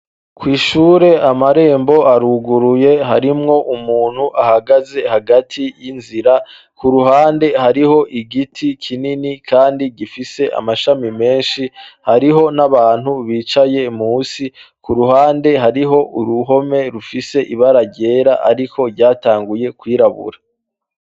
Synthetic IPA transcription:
kwiːʃuːɾe̞amaɾe̞ːmbo̞aɾuɡuɾuje̞ɦaɾimŋo̞ʔumuːn̥huʔahaɡaze̞haɡatʰijinziɾa | kuɾuɦaːnde̞haɾiho̞ʔiɡitʰikʰininikʰaːndiɡifise̞ʔa̰maʃamime̞ːnʃihaɾiɦo̞naβaːn̥huβiːt͡ʃaje̞muːsikuɾuɦaːnde̞ɦaɾiɦo̞ʔuɾuɦo̞me̞ɾufise̞ʔiβaɾaɟe̞ːɾaʔa̰ɾikʰo̞ɾɟaːtaːŋɡuje̞kwiːɾaβṵɾa

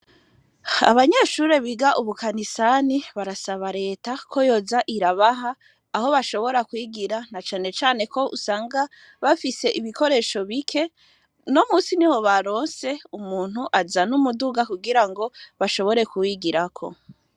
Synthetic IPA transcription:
a̰βaɲeʃuɾe̞βiɡaʔuβukanisaniβaɾasaβaɾe̞ːtakʰo̞jo̞zaʔiɾaβaɦaː | ho̞βaʃo̞βo̞ɾakwiːɡiɾanat͡ʃaːne̞t͡ʃaːne̞ko̞ʔṵsaːŋɡa | βafise̞ʔiβiko̞ɾe̞ːʃo̞βikʰe̞ | no̞muːsiniho̞βaɾo̞ːnse̞umuːn̥huʔazanumuduɡakuɡiɾaŋɡo̞βaʃo̞βo̞ɾe̞kuwiɡiɾakʰo̞̰

